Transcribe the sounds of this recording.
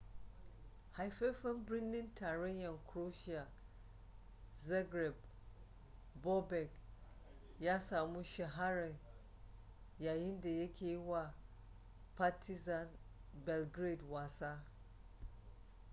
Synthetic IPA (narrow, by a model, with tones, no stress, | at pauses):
ha˨jfɛ˦fɛ̃˦mbɾĩ˦nːɪ̃˦ntʰa˨ɾɛ˦jã˨nkʰɾo˦ʃi˦a˨ | zɛ˦ɡɾɛ˨b | bɔ˦bɛ˨k | ja˦sa˨mũ˦ʃɛ˨ɦa˦ɾɛ̃˨n | ja˨jɪ̃˦n˦dɛ˨jɛ˦kʰe˦wa˦˨ | pʰa˦tʰi˦zã˨n | bɛ˨lɡɾe˨dwa˨sa˦